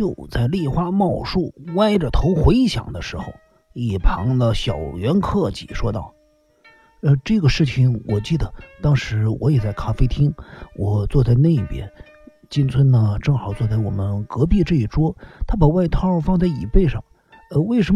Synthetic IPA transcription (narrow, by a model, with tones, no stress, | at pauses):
jo˥˧ʊt͡sa˥˧ɪli˥˩xwa˥mɑ˥˧ʊʂu˥˩wa˥ɪʈ͡ʂə˨t̪ʰo˧˥ʊxwe˧˥ɪɕjɑ̰˨˩ŋd̪ə˦ʂɻ̩˧˥xo̰˧ʊ | i˨˩pʰɑ˧˥ŋlə˧ɕjɑ˨˩ʊɥɛ˧˥nkʰɤ˥˩t͡ɕḭ˨˩ʂwɔ˥t̪ɑ˥˩ʊ | ə˧ʈ͡ʂɤ˥˩ɡə˩ʂɻ̩˥˩t͡ɕʰi˨˩ŋwʔɔ˨˩t͡ɕi˥˩d̪ə˩t̪ɑ˥ŋʂɻ̩˧˥wɔ˧˥jɛ˨˩t͡sa˥˩ɪkʰa˥fe˥ɪt̪ʰi˥ŋwʔɔ˨˩t͡swɔ˥˧t͡sa˥˧ɪna˥˩ɪi˥˩pjɛ̰˥n | t͡ɕi˥nt͡sʰwə˥nnə˨ʈ͡ʂɤ˥˩ŋxɑ˨˩ʊt͡swɔ˥˧t͡sa˥˩ɪwɔ̰˨˩mə˦nkɤ˧˥p̬i˥˧ʈ͡ʂɤ˥˧˩i˥˩ʈ͡ʂwɔ˥t̪ʰa˥pa˨˩wa˥ɪt̪ʰɑ˥ɻɑ˥˧ʊfɑ˥˧ŋt͡sa˥˩ɪḭ˨˩pe˥˧ɪʂɑ̰˥˩ŋ | ə˧we˥˩ɪʂə˧˥